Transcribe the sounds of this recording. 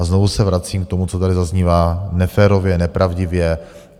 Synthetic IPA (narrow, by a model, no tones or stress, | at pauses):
aznovusɛvɾat͡siːmk̚t̪omut͡sot̪adɪzazɲiːvaːnɛfɛːɾovjɛnɛpɾavɟɪvjɛ